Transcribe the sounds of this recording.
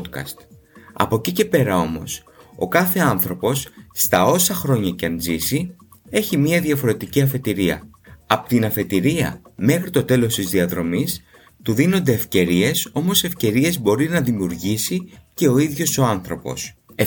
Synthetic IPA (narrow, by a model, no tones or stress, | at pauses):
t̪kɐ̰st̪ | ɐ̰po̞cice̞pe̞ɾɐo̞mo̞̰s | o̞̰kɐθe̞ɐnθɾo̞po̞sːt̪ɐo̞sɐxɾo̞ɲɐceɐnzisi | e̞çimiɐðiɐfo̞ɾe̞t̪iciɐfe̞t̪iɾiɐ̰ | ɐpo̥t̪inɐfe̞t̪iɾiɐ̰me̞xɾit̪o̞t̪e̞lo̞st̪izðiɐðɾo̞mis | t̪uðino̞nd̪e̞ːfce̞ɾie̞so̞mo̞se̞fce̞ɾie̞zbo̞ɾinɐðimiuɾʝisice̞o̞iðʝo̞so̞ɐnθɾo̞po̞̰se